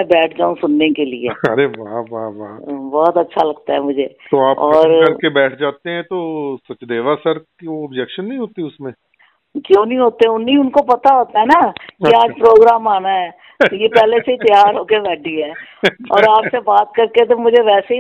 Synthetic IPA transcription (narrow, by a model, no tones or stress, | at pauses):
ɛ̃bɛːʈʰd͡ʒaːũsʊnːekelḭḛːɐɾeʋaɦʋaːʋaːbɔːt̪ɐtːʃʰalɐɡ̚t̪aɦɛmʊd͡ʒʱeːt̪oaːpɔːɾɐɾkebɛːʈʰd͡ʒaːt̪eɦɛ̃t̪osɐt͡ʃd̪eːʋasɐɾkioɐbd͡ʒɛkʃənːɐɦĩɦoːt̪iʊsmẽ | kjõːnɐɦĩɦoːt̪eɛ̃ʊnːiʊnkopɐt̪aɦoːt̪aɦɛnakiaːd͡ʒpɾoːɡɾaːmaːnaɦɛː | t̪ojepɛːleseit̪jaːɾɦoːkebɛːʈʰiɦɛːɔːɾaːpsebaːt̪̚kɐɾket̪omʊd͡ʒʱeʋɛːseɦi